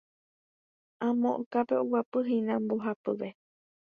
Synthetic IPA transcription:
ãmõʔõkapeowapɨɦĩnãmboɦapɨʋe

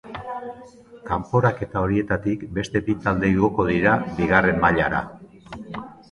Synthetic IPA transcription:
kampo̞ɾake̞t̪ao̞ɾie̞t̪at̪ikbe̞st̪e̞bit̪ald̪e̞iɣo̞ko̞ð̞iɾabiɣ̞are̞mbaʎaɾa̰

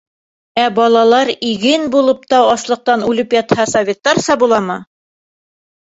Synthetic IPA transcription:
æbɑlˠɑlˠɑɾiɡɘnbulˠɤp̚t̪ɑwɑslˠɤ̆q̚t̪ɑnʉlɘpjɑt̪hɑsɐvʲet̪ːɑɾsɑbulˠɑmɤ

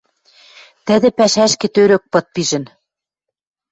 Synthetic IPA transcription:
t̪ɘ̆ðɘ̆pæʃæʃkĕt̪øɾøk̚pɤ̆t̪̚piʒɘ̆n

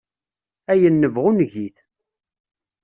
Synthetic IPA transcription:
æjənːəvʁunʝiθ

